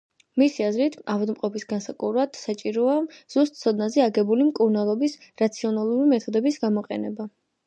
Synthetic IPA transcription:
misiazɾit̪ʰavad̪mqʼɔpʰisɡansakʼuɾad̪̥sat͡ʃʼiɾɔaz̥ust̪ʼt̪sʰɔd̪nazɛaɡɛbulimkʼuɾnalˠɔbisɾat̪sʰiɔnalˠuɾimɛt̪ʰɔd̪ɛbisɡamɔqʼɛ̰nɛba

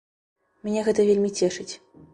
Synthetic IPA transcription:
mʲnʲɛɣɛt̪ɐvʲelʲmʲit͡sʲɛʂɨt͡sʲ

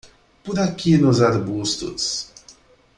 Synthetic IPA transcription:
pʊɾakinʊzaɾbust̪ʊ̰s

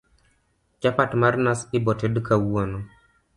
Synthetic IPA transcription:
d͡ʒapatmarnasɪbɔtedkawonɔ

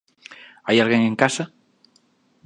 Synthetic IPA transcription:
ajalɣeŋẽŋkasa

